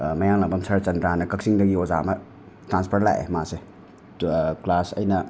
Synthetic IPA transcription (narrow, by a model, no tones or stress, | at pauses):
mɐjaŋlaŋbɐmsɐɾt͡ʃɐndɾanɐkɐk̚siŋdɐɡioza̰mɐ | tɾanspʰɐɾla̰jḛmase | klasɐ̰jnɐ